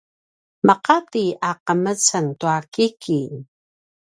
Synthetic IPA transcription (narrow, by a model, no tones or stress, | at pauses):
məqat̪iaqəmət͡sənt̪uakikʰi